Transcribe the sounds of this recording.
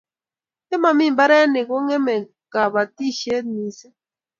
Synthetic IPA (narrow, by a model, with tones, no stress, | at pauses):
e˦ma˨mi˦˨mba˦ɾɛ˦ne˨ko˦ŋɛ˦mɛ˨ | ka˨βa˨ti˦˨ʃe˦tmi˨sɛ˦